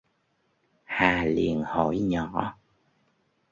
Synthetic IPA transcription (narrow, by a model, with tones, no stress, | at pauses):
haː˨˩li˨ənho˧˥jɲɔ˧˩˨